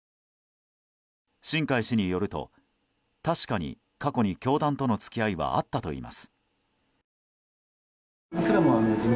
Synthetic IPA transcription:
ɕĩŋkaiɕiɲ̟ijo̞ɾɯ̟t̪o̞̰ | t̪aɕi̥kaɲ̟ḭ | kako̞ɲ̟ikʲo̞ːd̪ãnt̪o̞no̞t͡sɨ̥kʲiaiβa̰a̰t̪ːat̪o̞̰ḭːmʔa̰sɨ̥ | osɨɾemoanozɨ

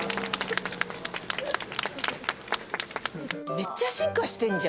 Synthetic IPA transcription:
me̞t͡ɕːaɕĩŋkaɕi̥t̪ẽ̞ɲd͡ʑa

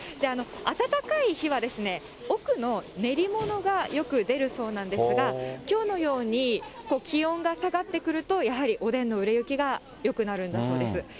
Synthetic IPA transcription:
d̪e̞ano̞at̪at̪akaiçiβad̪e̞sɨne̞ | o̞kɯ̟no̞ne̞ɾʲimo̞no̞ɡajo̞kɯ̟d̪e̞ɾɯ̟so̞ːnãnd̪esɨɡakʲo̞ːno̞jo̞ːɲ̟iko̞ːkʲiõ̞ŋɡasaɡat̪ːe̞kɯ̟ɾɯ̟t̪o̞jaɦaɾʲiʔo̞d̪ẽ̞nːo̞ɯ̟ɾe̞jɯ̟kʲiɡa | jo̞kɯ̟naɾɯ̟̃nd̪aso̞ːd̪e̞sɨ

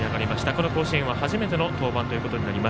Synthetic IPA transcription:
aɡaɾʲimaɕi̥t̪ako̞no̞ko̞ːɕiẽβahaʑime̞t̪e̞no̞t̪o̞ːbãnt̪o̞jɯ̟ko̞t̪o̞ɲ̟inaɾʲima

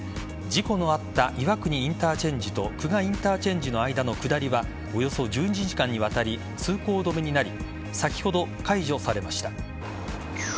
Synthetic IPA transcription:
d͡ʑiko̞no̞at̪ːaʔiβakɯ̟ɲ̟iĩnt̪aːt͡ɕẽ̞ɲ̟d͡ʑit̪o̞kɯ̟ɡaĩnt̪aːt͡ɕẽ̞ɲ̟d͡ʑino̞aid̪ano̞kɯ̟d̪aɾʲiβa | o̞jo̞so̞d͡ʑɨːɲid͡ʑiʑikãɲ̟ːiβ̞at̪aɾʲi | t͡sɨːko̞ːd̪o̞me̞ɲ̟inaɾʲi | sakʲi̥ho̞d̪o̞kaiʑo̞saɾe̞maɕi̥t̪a

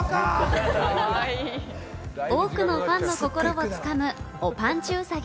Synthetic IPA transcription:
oːkɯ̟no̞ɸãnːo̞ko̞ko̞ɾo̞ot͡sɨ̥kamɯ̟ | opãɲt͡ɕɨːsaɡʲ

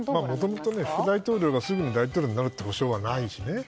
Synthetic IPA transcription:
maːmo̞t̪o̞mo̞t̪o̞ne̞ɸɯ̟kɯ̟d̪ait̪o̞ːɾʲjo̞ːɡasɨɡɯ̟ɲ̟id̪ait̪oːɾʲoːɲ̟inaɾɯ̟t̪ːeoɕo̞ːβanaiɕine̞

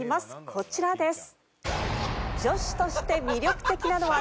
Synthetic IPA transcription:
imasɨ̥kʰo̞t͡ɕiɾad̪e̞sɨ̥ | d͡ʑo̞ɕi̥t̪o̞ɕi̥t̪e̞mʲiɾʲo̞kɯ̟̥t̪e̞kʲinano̞βa

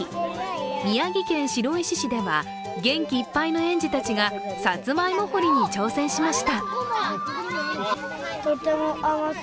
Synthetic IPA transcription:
mʲijaɡʲikẽ̞ɰ̃ɕiɾo̞iɕiɕid̪e̞βa̰ | ɡẽ̞ŋkʲiːpːainoẽ̞ɲ̟d͡ʑit̪at͡ɕiɡa | sat͡sɨmaimokoɾʲiɲ̟it͡ɕo̞ːsẽ̞ɰ̃ɕimaɕi̥t̪a | t̪ot̪emoʔama

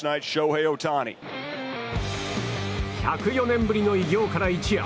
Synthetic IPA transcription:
naɪtʃoʊɦeɪoʊtʰanḭ | çakɯjo̞nẽ̞mbɯɾʲino̞iɡʲo̞ːkaɾait͡ɕia̰

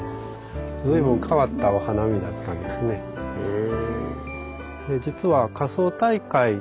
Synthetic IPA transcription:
d͡zɨibɯ̟̃ŋkʰaβat̪ːaβahanamʲid̪at̪ːãnd̪e̞sɨne̞ | d̪e̞d͡ʑit͡sɨβakaso̞ːt̪aikai

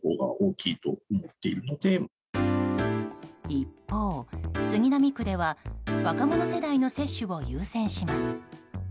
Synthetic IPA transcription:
o̰ːɡa̰ʔoːkʲiːt̪o̞̰ːmot̪ːe̞ḭɾɯ̟no̞d̪e̞ | ipːo̞ːsɨɡʲinamʲikɯd̪e̞βaβakamo̞no̞se̞d̪aino̞se̞ɕːɨβo̞jɯːsẽ̞ɰ̃ɕimasɨ̥

